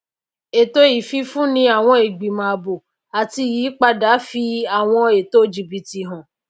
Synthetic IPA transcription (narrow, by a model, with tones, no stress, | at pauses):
e˨to˧˦i˨fi˧fũ˦nĩ˧a˨w̃ɔ̃˧e˨ɡ͡bi˨mã˨bo˨ | a˨ti˧jiː˨˦k͡pa˧da˨˦fi˧a˨w̃ɔ̃˧e˨to˦˨d͡ʒi˨bi˧ti˧ɦɔ̃˨